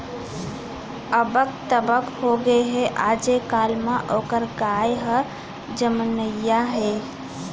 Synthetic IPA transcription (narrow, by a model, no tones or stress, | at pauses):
əbəkt̪əbəkhoɡeɦeʔad͡ʒekalmaʔokəɾɡajɦə | d͡ʒəmənəjːaɦe